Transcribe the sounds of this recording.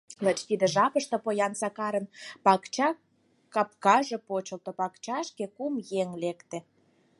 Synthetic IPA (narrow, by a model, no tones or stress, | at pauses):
lət͡ɕt̪id̪ĕʒɑpəʃt̪ɤ̆pojɑnsɑkɑɾə̆npɑkt͡ɕɑ | kːɑp̚kɑʒĕpot͡ɕə̆lt̪ŏpɑkt͡ɕɑʃkekumjeŋlekt̪ĕ